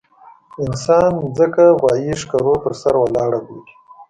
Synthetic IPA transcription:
ɪnsɑnzəkaɣwɑːjiʃkaɾopəɾsaɾwalɑːɽaboɾi̥

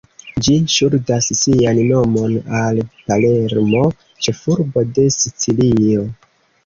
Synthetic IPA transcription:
d͡ʒiʃuɾdasːianːo̞mo̞nalpale̞ɾmo̞ | t͡ʃe̞fuɾbo̞de̞sit͡silio̞

